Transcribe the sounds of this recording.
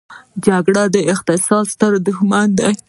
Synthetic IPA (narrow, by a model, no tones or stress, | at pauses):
d͡ʒaɡɽad̪əɪqt̪ɪsɑdst̪əɾd̪ʊxmɑnd̪aj